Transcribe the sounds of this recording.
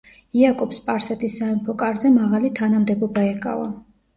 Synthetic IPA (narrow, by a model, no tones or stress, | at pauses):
iakʼɔpspʼaɾsɛt̪ʰisːaɛmpʰɔkʼaɾzɛmaʁalit̪ʰanamd̪ɛbɔbaɛkʼa̰va̰